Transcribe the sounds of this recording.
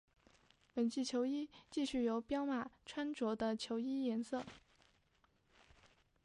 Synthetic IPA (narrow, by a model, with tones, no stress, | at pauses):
pə˨˩nt͡ɕi˥˩t͡ɕʰjo˧˥ʊi˥t͡ɕi˥˧ɕy˥˩jo˧˥ʊpjɑ˥ʊma˨˩ʈ͡ʂʰwa˥nʈ͡ʂwɔ˧˥d̪ə˧t͡ɕʰjo˧˥ʊi˥jɛ˧˥nsɤ˥˩